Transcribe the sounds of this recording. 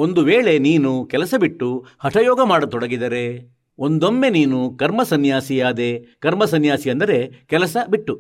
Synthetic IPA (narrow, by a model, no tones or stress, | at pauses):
o̞nd̪uʋeːɭe̞niːnukɛlɐsɐbiʈːuhɐʈʰɐjɔːɡɐmaːɽɐt̪ɔɽɐɡid̪ɐɾe̞ | o̞nd̪o̞mːe̞niːnukɐɾmɐsɐnjaːsijaːd̪e̞kɐɾmɐsɐnjaːsiɐnd̪ɐɾe̞kɛlɐsɐbiʈːu